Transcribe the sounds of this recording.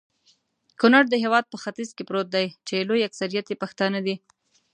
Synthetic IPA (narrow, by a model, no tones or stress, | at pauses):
kʊnaɾd̪əɦewɑd̪̚pəxat̪izkepɾot̪̚d̪ajt͡ʃelojaksaɾijat̪epaxt̪ɑnad̪i